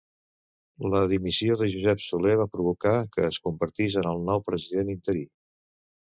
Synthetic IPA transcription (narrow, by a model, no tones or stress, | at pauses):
ləðimisioðəʒuzɛpsuleβapɾuβ̞ukakəːskumbəɾt̪izənəlˠnɔwpɾəziðenint̪əɾi